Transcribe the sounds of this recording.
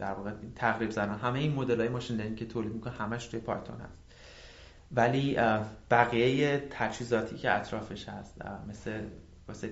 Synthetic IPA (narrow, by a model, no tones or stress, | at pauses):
d̪̥æɾvɒːɣeint̪ʰæɣɾibzænɒːnɦæmejeiːnmo̞d̪e̞lɒːjemɒːʃind̪æɾincʰe̞t̪ʰoːlid̪̚mikʰonehæmæʃt̪ʰujepʰɒjt̪ʰo̞̰nhæ̰st̪ | væliːb̥æɣijejet̪ʰæt͡ʃhiːzɒːt̪ʰiːcʰeæt̪ʰɾɒːfeʃhæ̰st̪me̞sle | vɒse